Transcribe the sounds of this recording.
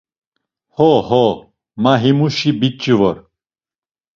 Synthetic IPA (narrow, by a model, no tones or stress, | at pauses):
hoho | maɦimuɕibit͡ɕːiʋɔɾ